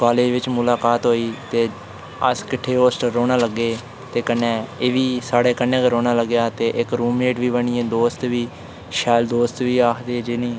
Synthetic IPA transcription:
kaːleːd͡ʒʋɪt͡ʃmʊlaːkaːt̪ɦoːiːt̪eː | ə̰skɪʈʰːeːɦoːsʈːoːɽ̃aːləɡːeː | t̪eːkənːeːeːʋiːsaːɽeːkənːẽːkəɾoːnaːləɡːjaːt̪eːʔɪkɾuːmeːʈʋiːbəɳ̃ɪːẽːd̪oːst̪ʋiː | ʃɛːld̪oːst̪ʋiːaːkʰd̪eːd͡ʒɪːnĩː

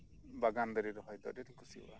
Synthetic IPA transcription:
baɡand̪ɔɾiɾɔɦɔjd̪ɔ̰ɾɛt̪iŋkusḭwa̰

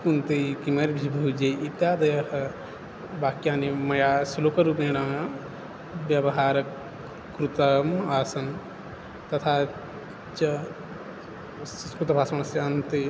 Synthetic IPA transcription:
kunt̪ekimɐɾbʱibʱɐud͡ʒeit̪jaːd̪ɐjɐhɐ | baːkijaːnemɐjaslokɐɾupẽɽã | bjɐbɐɦaːɾɐ | kɾut̪ɐmaːsɐn | t̪ɐt̪ʰa | t͡ʃɐ | kut̪ɐbʱaːsmaɳ̃ɐsɐɐnt̪e

